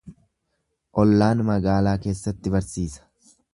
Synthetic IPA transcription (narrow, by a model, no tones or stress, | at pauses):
ʔɔlːaːnmɐɡaːlaːke̞ːsːɐt̪ːɪbɐɾsiːsɐ̥